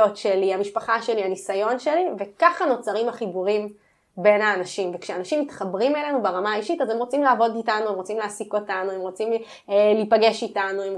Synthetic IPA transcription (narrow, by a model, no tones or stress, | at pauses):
o̞tʃe̞liamiʃpaχaʃe̞lianisajo̞nʃe̞live̞kaχano̞t͡saʁimhaχibuʁim | be̞nhaːnaʃimvekʃeaːnaʃimːit̪χabʁimele̞nubaʁamaːiʃitazemʁo̞t͡simlaːvo̞ditanuemʁo̞t͡simleːsiko̞tanuemʁo̞t͡sim | lipaɡe̞ʃitanuem